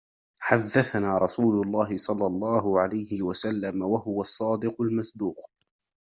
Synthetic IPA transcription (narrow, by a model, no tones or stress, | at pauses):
ħaðːaθanaːɾˤɑsuːlʊlˤːɑːɦɪsˤɑlːɑlˤːɑːɦʊʕalajhɪwasalːamawahʊwasˤːɑːd̪ɪqʊlmasˤd̪uːq